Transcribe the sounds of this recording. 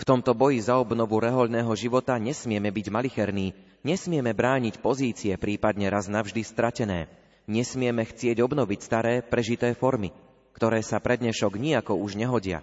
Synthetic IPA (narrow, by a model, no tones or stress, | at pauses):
ft̪ɔmt̪ɔbɔjizaɔbnɔʋuɾɛɦɔʎnɛːɦɔʒiʋɔt̪aɲɛsmɪɛmɛbiɟmalixɛɾniː | ɲɛsmɪɛmɛbɾaːɲicpɔziːt͡siɛpɾiːpad̪ɲɛɾaznavʒd̪ist̪ɾacɛnɛː | ɲɛsmɪɛmɛxt͡sɪɛɟɔbnɔʋicst̪aɾɛːpɾɛʒit̪ɛːfɔɾmi | kt̪ɔɾɛːsapɾɛd̪ɲɛʃɔɡɲiakɔuʒɲɛɦɔɟɪa̰